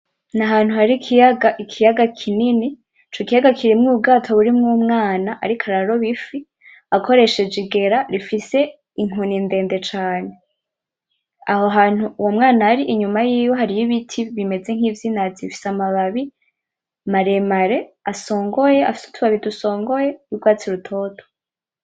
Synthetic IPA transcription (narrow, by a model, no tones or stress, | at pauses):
naɦaːn̥uhaɾikiaɡaʔikʰijaɡakʰinini | t͡ʃokijaɡakʰiɾimŋuːb̚ɡaːtʰoβuɾimŋumŋaːnaʔa̰ɾikʰaɾaɾo̞βifi | akʰo̞ɾe̞ʃe̞d͡ʒiɡe̞ɾaɾifise̞ | iŋoninde̞ːnde̞t͡ʃaːne̞ | ahoɦaːn̥uwomŋaːnaːɾiʔiɲumajiːjo̞ɦaɾijiβitʰiβime̞d͡ze̞ŋ̥hiːvjiːnazifi̥samaβaβi | maɾemaɾe̞aso̞ːŋɡo̞je̞afi̥su̥tʰuβaβiduso̞ːŋɡo̞je̞juɡwaːt͡siɾutʰo̞ːtʰo̥